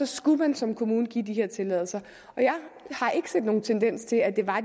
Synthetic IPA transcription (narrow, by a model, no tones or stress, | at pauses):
ɒ̽sɡ̥umænsɒ̽mkʰo̝muːnəɡ̥ḭːd̥iɦe̝ɐ̰t͡sʰe̝lɛ̰ðˠl̩sɐ | ʔɒ̽jɑ̈ɪhɑ̈ʔe̝ɡ̥əse̝̰d̥no̝ːn̩t͡sʰend̥en̰st͡sʰe̝læd̥e̝ʋɑ̈